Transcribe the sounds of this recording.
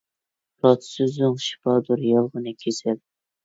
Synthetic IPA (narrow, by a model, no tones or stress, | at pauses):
ɾɑt̪ʰsɨzʊŋʃi̥pɑd̪uɾjɑlˠʁənɨkʲʰesɪl